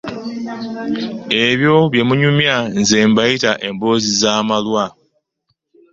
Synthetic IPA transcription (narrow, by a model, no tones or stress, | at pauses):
e̞βjo̞βje̞muɲumjanzeːmbajitaʔe̞mbo̞ːzizaːmalwa